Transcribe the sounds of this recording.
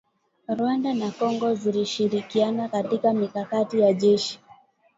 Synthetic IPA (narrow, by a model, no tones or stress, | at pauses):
ɾwandanakɔŋɡɔziliʃiɾikianakatikamikakatijaʄɛʃi̥